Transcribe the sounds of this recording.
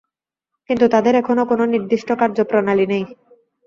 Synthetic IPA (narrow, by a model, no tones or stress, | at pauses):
kint̪ut̪ad̪eɾɛkʰonokononiɾd̪iʃʈokaɾd͡ʑopɾonalinej